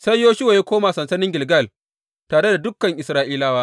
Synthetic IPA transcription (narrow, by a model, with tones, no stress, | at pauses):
sa˦jjoː˦ʃɪ˦wa˨ja˦kʷoː˦maː˨sɐ˨nsɐ˦nɪ˦ŋɡʲɪ˨lɡɐ˦˨l | taː˨ɽe˦da˨dʊ˦kːɐ˨ŋʔɪ˨sɾaː˦ʔiː˦laː˦waː˦